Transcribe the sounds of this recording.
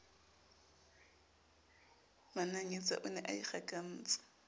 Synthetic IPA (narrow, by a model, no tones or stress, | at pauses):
manaɲet͡sʼa̰ʔʊnɛʔaiχakʼan̩ːt͡sʼḁ